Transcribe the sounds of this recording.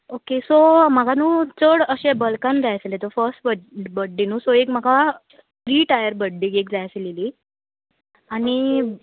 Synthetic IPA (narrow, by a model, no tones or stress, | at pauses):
okesom̤aɡanuːt͡səɽəɕẽbəlkãnd͡zajselet̪əfəɾsʈbəbəɖːinũːsoekm̤aɡa | fɾiːʈajəɾbəɖːiɡekd͡zajselili | ani